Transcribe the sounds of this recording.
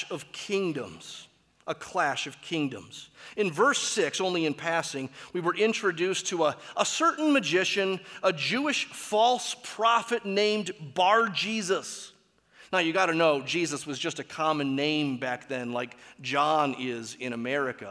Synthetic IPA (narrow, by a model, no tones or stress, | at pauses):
ʌv̥kʰɪ̃ŋdə̰̃mz̥ | ʔəkʰl̥æʃʌv̥kʰɪ̃ŋdɨ̰̃mz̥ɨ̃nvɜ˞sɪksõʊ̃nliɨ̃npʰæsɪ̃ŋwiwə˞ʔɪ̃nt͡ʃɹ̥ɨdʉstʰəəʔəsɜ˞ʔn̩mɨd͡ʒɪʃɨ̃nəd͡ʒʉɨʃfɔlˠspʰɹ̥ɑfɨtⁿnẽɪ̃mbɑɹd͡ʒizəs | naʊjɨɡɑɾɨnoʊd͡ʒizɨswʌzd͡ʒʌstɨkʰɑmɨ̃nːẽɪ̃mbæk̚ðɨ̃nlaɪk̚d̥ʒ̥ɑ̃nɪzɪ̃ɾ̃ɨmɛɹɨkɨ̰